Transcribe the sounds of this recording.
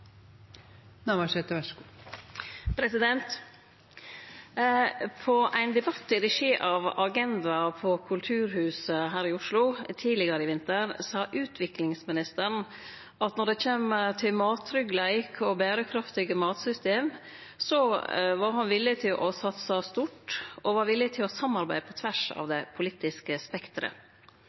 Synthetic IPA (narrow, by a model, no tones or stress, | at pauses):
nɑmɑsɛt̪əʋɛʂku | pʰɾɛsɪd̪ɛnt̪ | pʰɔʔæɪnd̪ɛbɑt̪ːɪɾɛʂiːʔɑːʋɑɡɛnd̪ɑpʰɔkʰʉlt̪ʰʉːɾhʉːsəɦæːɾɪʊʂlʊt̪ʰiːlɪɡəɾəɪʋɪnt̪əɾsɑːʔʉːt̪ʰʋɪklɪŋsmɪnɪst̪əɳ | ʔɑt̪nɔɖɛkeːmət̪ʰɪlmɑːt̪ʰːɾʏɡlæɪkʰɔbæːɾəkʰɾɑft̪ɪɡəmɑːt̪sʏst̪eːm | sɔʋɑɾɦɑnʋɪlːɪt̪ʰɪlʔɔsɑt̪sɑst̪uʈʔɔʋɑɾʋɪlːɪt̪ʰɪlɔsɑmːɑɾbæɪd̪əpʰɔt̪ʰʋæʂɑ̰ʋd̪ɛpʰʊliːt̪ɪskəspɛkt̪ɾə̰